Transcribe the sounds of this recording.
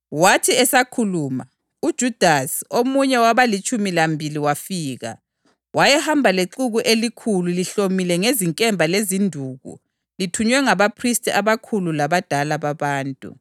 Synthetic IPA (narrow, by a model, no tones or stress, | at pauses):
watʰiɛsakʰuluːma̰ | ud̥ʒ̥ʱud̥ʱasi̥omuɲɛwaβalit͡ʃʼumilambʱiliwafiːɣa̰ | wajɛhambʱaleǃuɣuʔelikʰululiɬomilɛŋeziŋkʼɛmbʱalezindʱuːɣṵ | litʰuɲwɛŋaβapʰristʼiaβakʰululaβad̥ʱalaβaβaːntʼṵ